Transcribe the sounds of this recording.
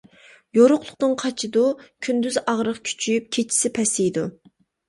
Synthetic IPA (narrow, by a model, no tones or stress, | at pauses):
joɾʊqlˠʊqt̪ɨnqʰɑt͡ʃʰɨd̪ukʲʰynd̪yzɑʁɾəqkʲʰy̥t͡ʃʰyjyp̚kʲʰet͡ʃʰi̥sɪpʰɛsijd̪u